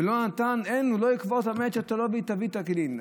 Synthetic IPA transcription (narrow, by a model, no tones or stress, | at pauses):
elonat̪anenuloikvot̪amet͡ʃat̪olobit̪avit̪aklin